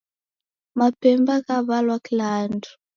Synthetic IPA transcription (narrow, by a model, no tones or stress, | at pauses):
mapɛmbakaβalwakilaːndu̥